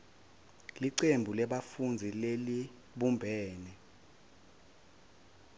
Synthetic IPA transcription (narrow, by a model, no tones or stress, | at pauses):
liǀembʱulɛɓafund͡zʱileli | ɓumbʱɛːnɛ